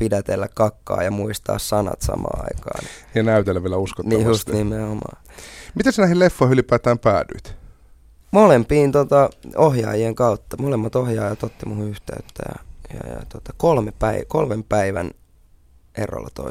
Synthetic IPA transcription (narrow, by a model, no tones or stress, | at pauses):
pidæt̪elːækkɑkːɑ̰ːjɑmuist̪ɑ̰ːssɑnɑ̰t̪sɑ̰mɑ̰ːɑ̰ikɑ̰ːn̰jɑnæyt̪elːæʋieælæuskoniːjust̪nimehomɑ̰ː | mit̪æsenæhillefːoihylipæːt̪æːmpæːdy̰it̪ | molempiːnt̪ot̪ɑohjɑ̰ːjieŋkɑut̪ːɑmolemːɑt̪ohjɑːjɑt̪ot̪ːimuhuyht̪eyt̪ːæjɑ̰jɑ̰jɑ̰t̪uot̪ɑkolmepæikolmempæiʋæn | ḛro̰lːɑt̪o̰i